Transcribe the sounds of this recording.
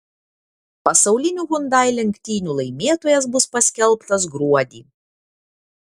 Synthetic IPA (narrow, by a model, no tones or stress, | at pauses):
pɐsɐʊlʲɪnʲuːɣʊnd̪ɑˑɪlʲɛŋʲkʲt̪ʲiːnʲuːlˠɐɪmʲeːt̪oːjɛs̬bʊspɐsʲkʲɛlˠˑpt̪ɐs̬ɡɾuɔd̪ʲiː